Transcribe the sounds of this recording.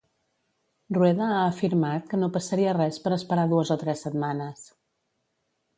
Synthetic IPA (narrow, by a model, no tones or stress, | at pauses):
rruɛðəaəfiɾmat̪̚kənopəsəɾiərɛspəɾəspəɾaðuəzɔt̪ɾɛsːət̪manəs